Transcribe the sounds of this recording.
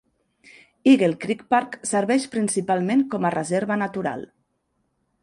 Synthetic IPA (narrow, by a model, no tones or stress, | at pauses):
iɣelˠkɾikpaɾksəɾβɛʃpɾinsipalˠmeŋkɔmərəzɛɾβənat̪uɾa̰lˠ